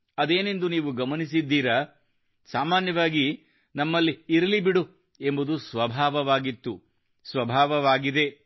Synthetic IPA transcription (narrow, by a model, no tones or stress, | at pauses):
ɐd̪e̞ːne̞nd̪uniːʋuɡɐmɐnis̬id̪ːiːɾɐ | saːmaːnjɐʋaːɡi | nɐmːɐlːiːɾɐlibiɽu | e̞mbud̪usʋɐbʱaːʋɐʋaːɡit̪ːu | sʋɐbʱaːʋɐʋaːɡid̪e̞